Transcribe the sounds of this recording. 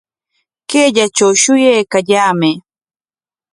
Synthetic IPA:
keːʎat͡ʃawʃʊjajkaʎaːmɪ

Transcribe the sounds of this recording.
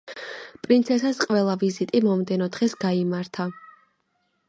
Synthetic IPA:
pʼɾint̪sʰɛsasqʼwɛlˠavizit̪ʼimɔmd̪ɛnɔd̪ʁɛsɡaimaɾt̪ʰa

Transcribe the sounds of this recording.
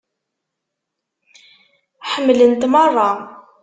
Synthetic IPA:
ħəmːlənt̪mɑrˤːɑ

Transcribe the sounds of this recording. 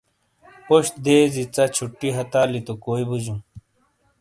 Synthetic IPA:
poɕd̪eːzit͡sat͡ɕʰuʈːiɦɐt̪aːlit̪ukoːibud͡ʑũ

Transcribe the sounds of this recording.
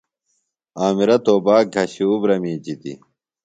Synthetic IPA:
aːmiɾɐt̪oːbaːk̚ɡʱɐɕuːbɾɐmiːd͡ʑit̪ḭ

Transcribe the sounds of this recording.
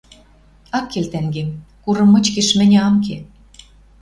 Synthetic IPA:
ɑkːelt̪æŋɡemkuɾɤ̆mːɤ̆t͡ɕkĕʃmɘ̆nʲɑmke

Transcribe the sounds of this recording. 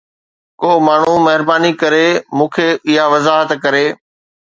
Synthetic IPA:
koːmaːɳ̤umɐɦɪɾbaːnikɐɾeːmũːkʰeːɪɦaʋɐzaːɦət̪kɐɾeː

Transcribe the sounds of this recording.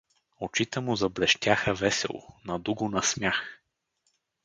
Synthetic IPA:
ot͡ʃit̪ɛmuzɐblɛʃt̪ʲaxəvɛsɛ̰lˠo̰nɐd̪uɡʊnɐsmjax

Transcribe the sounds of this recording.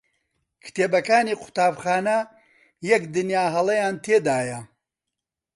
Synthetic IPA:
kʰɨ̥t̪ʰeːbɐkaːniːqʰʊ̥t̪aːbxaːnɐ | jɐkd̪ɨnjaːɦɐlˠɐjaːnt̪ʰeːd̪aːjɐ

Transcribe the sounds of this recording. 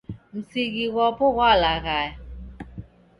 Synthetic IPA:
n̩siɣiɣɔpʊɣʷalaɣa

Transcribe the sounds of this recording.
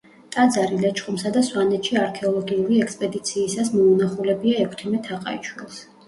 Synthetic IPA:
t̪ʼad̪zaɾilɛt͡ʃʰʼχʼumsad̪aswanɛt̪ʰʃiaɾkʰɛɔlˠɔɡiuɾiɛkspʼɛd̪it̪sʰiːsasmɔunaχulɛbiaɛkʰt̪ʰimɛt̪ʰaqʼa̰it͡ʃʰwilˠs

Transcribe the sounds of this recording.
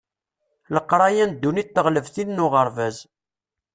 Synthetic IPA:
ləqːɾˤɑjænd̪ːunit̪ːəʁləvθinnʊʁəɾˤvæz

